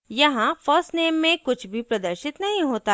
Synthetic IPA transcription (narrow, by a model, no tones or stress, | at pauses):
jɐɦãfɔːsneːmːẽkʊt͡ʃʰbʱipɾɐd̪əɾʃɪt̪nɐɦĩɦoːt̪a